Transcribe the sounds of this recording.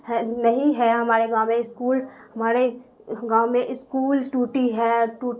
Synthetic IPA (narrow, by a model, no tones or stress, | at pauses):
ɦɛnɐɦĩɦɛɦɐmaːɾeɡaːʊmẽɪskuːl | hɐmaːɾe | ɡãːʊmẽʔɪskuːlʈuːʈiɦɛːʈuː